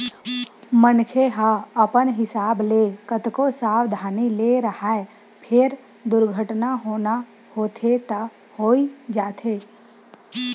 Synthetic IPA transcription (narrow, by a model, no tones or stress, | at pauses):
mənkʰeɦaəpənɦɪsaːblekət̪kosaːwd̪ʱaːneleɾəhaːe | pʰɪɾ | d̪ʊɾɡʱəʈnaɦoːna | hoːt̪ʰet̪a | hoːid͡ʒaːt̪ʰeː